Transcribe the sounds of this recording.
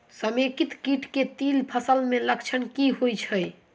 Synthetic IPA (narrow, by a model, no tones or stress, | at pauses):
səmekit̪kiʈket̪ilpʰəsəlmeləkt͡ʃʰənkiɦojt͡ʃʰəj